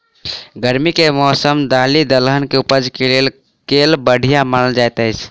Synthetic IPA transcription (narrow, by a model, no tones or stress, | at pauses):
ɡəɾmikemɔːsəmd̪aːlid̪əlɦənkeupəd͡ʒkelel | kelbəɽ̤ʱijamanəld͡ʒajt̪ət͡ʃʰ